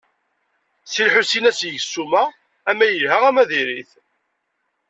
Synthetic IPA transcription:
silħusinæsjəʝəsːumæ | æmːæjəlɦæʁæmæðiɾiθ

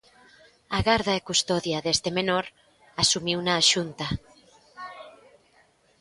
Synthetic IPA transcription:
aɣaɾðaekust̪oðjaðest̪emenoɾ | asumiwnaːʃunt̪a

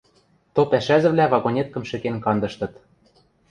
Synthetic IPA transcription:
t̪ɤ̆lpæʃæzɘ̆vlʲævɑɣonʲet̪̚kɤ̆mʃɘ̆kenkɑnd̪ɤ̆ʃt̪ɤ̆t̪

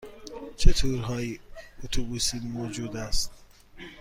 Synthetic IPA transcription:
t͡ʃʰet̪ʰuːɾɦɒːjiot̪ʰobuːsiːmoːd͡ʒuːd̪æst̪

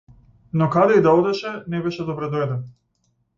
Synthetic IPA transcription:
nɔkad̪ɛid̪aɔd̪ɛʃɛnɛbɛʃɛd̪ɔbɾɛd̪ɔɛd̪ɛn

